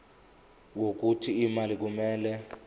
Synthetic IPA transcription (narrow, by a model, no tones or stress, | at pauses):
wok̬utʰiːmalik̬umɛːlɛ